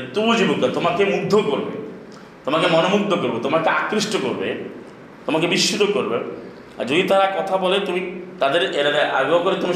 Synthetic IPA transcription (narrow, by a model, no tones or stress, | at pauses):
t̪ubod͡ʑibokːat̪omakemud̪ʱːokoɾbḛ | t̪omakemɔnomukt̪ʰːokoɾbet̪omakeakɾiʃʈokoɾbḛ | t̪omakebiʃːit̪okoɾbe | a̰ɾd͡ʑod̪it̪aɾakɔt̪ʰabɔlet̪umit̪ad̪eɾeɾaɾaʔa̰ɡookoɾet̪umi